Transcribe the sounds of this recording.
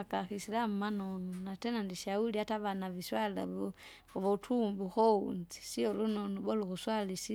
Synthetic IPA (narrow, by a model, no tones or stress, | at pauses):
akaxisilamanonunatenandiʃauliataβanaβiswalaβu | oβotʰumbuxoṵnzi̥siolunonuβoluxuswalisi